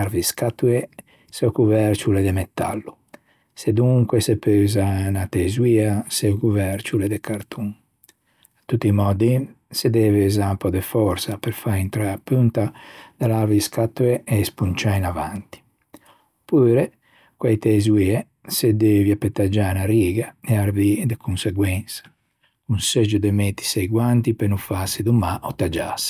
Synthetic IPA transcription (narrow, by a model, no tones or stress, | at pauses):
aɾviskat̪ːuɛ | sɛɔkuvɛɾt͡ʃulɛd̪ɛmɛt̪ːa̰lːu | sed̪uŋkwɛsɛpøːzanat̪ɛzwiasɛkuvɛɾt͡ʃulɛd̪ɛkʰaɾt̪ʰuŋ | at̪ːut̪ːimɔːd̪isɛd̪ɛvɛzampɔd̪ɛfɔɾsapɛɾfaint̪ɾaapːynt̪ad̪alaɾviiskat̪ːuɛɛspunt͡ʃainavant̪i̥ | puːɾɛ | kwajt̪ɛzwiɛ | sɛd̪ɛviapɛt̪ːad͡ʒanaɾiːɡaɛaɾvid̪ɛkʰunsɛɡwɛnsḁ | unsɛd͡ʒud̪ɛmɛt̪ːi̥sɛjɡwant̪ipenufasːid̪umaʔɔt̪ːad͡ʒa̰si̥